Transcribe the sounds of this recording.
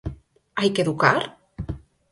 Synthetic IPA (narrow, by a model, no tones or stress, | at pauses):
ajkeðukaɾ